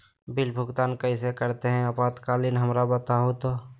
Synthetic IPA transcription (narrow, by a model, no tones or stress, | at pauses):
bɪlbʱʊɡt̪aːnkəisekəɾt̪eɦɛ̃ɐpaːt̪kaːlɪnɦəmɾabət̪aɦot̪oː